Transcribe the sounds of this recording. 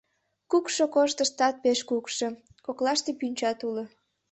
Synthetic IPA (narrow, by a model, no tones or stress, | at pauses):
kukʃokoʃt̪əʃt̪ɑt̪̚peʃkukʃo | koklɑʃt̪epynʲt͡ɕɑt̪ulo